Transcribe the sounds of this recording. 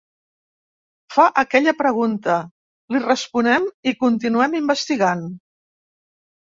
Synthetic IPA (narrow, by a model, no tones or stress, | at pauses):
faʔəkɛʎəpɾəɣunt̪ə | lirəspunɛmikunt̪inuɛmimbəst̪iɣan